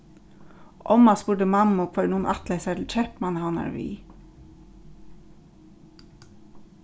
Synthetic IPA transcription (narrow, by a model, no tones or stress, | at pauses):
ʔɔmɑsbʊɖəmɑmʊkfœɾnuːn̩ʔɑt̪læɪsæt̪ʰl̩t͡ʃɛpmɑnəhɑnɑ̰ɹʋḭː